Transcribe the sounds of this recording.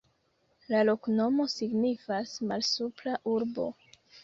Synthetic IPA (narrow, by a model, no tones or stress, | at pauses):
lalo̞kno̞mo̞siɡnifasmalsuplaʔuɾbo̞̰